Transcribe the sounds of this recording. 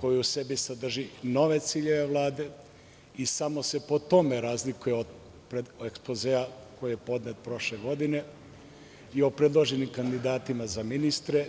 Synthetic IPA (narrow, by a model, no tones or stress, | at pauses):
ko̞juuse̞bisad̪r̩ʒino̞ʋe̞t̪siːʎe̞ʋe̞ʋlˠaːd̪e̞ | isamo̞se̞po̞t̪o̞me̞ɾazlikujeo | pɾeekspozeako̞jije̞po̞d̪net̪̚pɾo̞ʃle̞ɡo̞d̪ine̞ | io̞pɾed̪lˠoʒenimkand̪id̪aːt̪imazaminist̪ɾe̞